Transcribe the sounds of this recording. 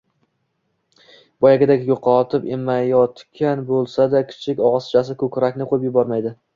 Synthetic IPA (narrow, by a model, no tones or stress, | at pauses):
b̥ɒjaɡʲɪd̪aɡʲɪjoqʰɒt̪ʰɪpemajɒt̪kʲʰanbolˠsad̪akʲʰɪ̥t͡ʃʰɪkʲɒʁst͡ʃʰasɪkʰɵkʲɾakʲnɪqʰojɪpjʊbɒɾmajd̪ɪ